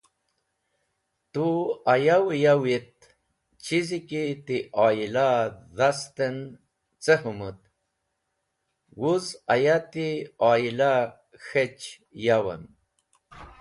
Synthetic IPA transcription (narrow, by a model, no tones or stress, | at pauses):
t̪uajawjawit̪̚ | t͡ɕizikit̪iʔaːjilaðast̪ən | t͡səɦumət̪ | wuzajat̪iaila | xet͡ʃ | jawə̰n